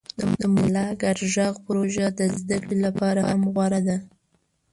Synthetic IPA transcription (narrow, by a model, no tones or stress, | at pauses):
d̪əd̪əmʊlɑɡaɾʒɑɣpʊɾoʒad̪əzd̪akɽilapɑɾahamɣwaɾad̪a